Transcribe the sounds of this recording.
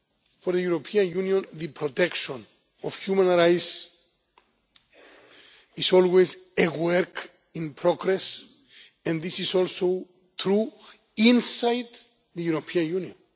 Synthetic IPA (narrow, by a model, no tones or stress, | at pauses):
fɔɾðəjuɾopʰiãnjũnjõnðɨpʰɹɔt̪ʰɛkʃɔ̃n | ɔv̥hjumãnɹajs | izɔlwezewɛɾk | ĩnpʰɹɔɡɾɛs | ɛ̃nðisizɔlˠso | θɾu | ĩnsajd̪ | ðɨjuɾopʰiãnjũnɔ̃n